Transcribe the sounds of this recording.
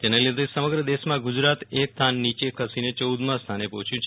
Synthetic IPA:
t̪eneled̪esəməɡɾəd̪eʃmãɡud͡ʒɾat̪ek̚t̪ʰanːit͡ʃekʰəsinet͡ʃəud̪mãst̪ʰanepɔt͡ʃʰjũt͡ʃʰ

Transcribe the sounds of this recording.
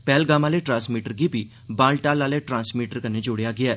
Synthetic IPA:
pɛːlɡaːmãːleːʈɾãːnsmiːʈəɾɡiːbiː | bãːlʈaːlaːleːʈɾãːnsmiːʈəɾkəneːd͡ʒʊɽejaːɡɪaː

